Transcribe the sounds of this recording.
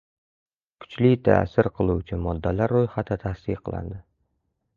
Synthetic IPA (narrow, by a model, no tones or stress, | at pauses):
kʰʊ̥t͡ʃlɪt̪ʰa̰ːsɪɾqʰɨlˠuwt͡ʃʰɪmɒd̪ːalaɾːojχat̪ʰɪt̪ʰasiqʰɨlˠa̰nd̪ɪ